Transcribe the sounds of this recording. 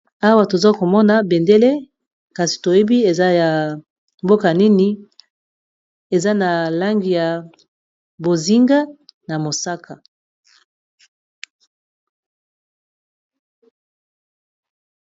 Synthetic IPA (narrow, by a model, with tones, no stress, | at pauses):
a˦wa˦˨to˨za˦ko˨mɔ˦na˨be˨nde˦le˦ | ka˨si̥˨to˨je˦bi˦e˨za˦ja˨ | mbo˦ka˨ni˦ni˦ | e˨za˦na˨la˦ŋɡi˨ja˨ | bo˨zi˦ŋɡa˦na˨mo˨sa˦ka˨